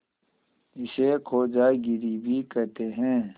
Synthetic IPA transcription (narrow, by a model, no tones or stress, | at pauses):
ɪsekʰoːd͡ʒaːɡiɾibʱiːkɛɦt̪eɦɛ̃ː